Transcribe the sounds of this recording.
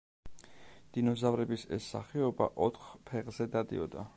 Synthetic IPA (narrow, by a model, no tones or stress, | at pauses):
d̪̥inɔzavɾɛbisɛ̰sːa̰χɛɔba̰ʔɔt̪ʰχpʰɛʁz̥ɛd̪ad̪ḭɔd̪a̰